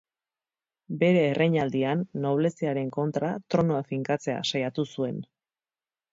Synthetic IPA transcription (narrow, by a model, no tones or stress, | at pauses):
be̞ɾe̞ːrʔejɲald̪ianːo̞β̞le̞siaɾe̞ŋko̞nt̪ɾat̪ɾo̞noafiŋkat͡se̞a̰sajat̪usue̞n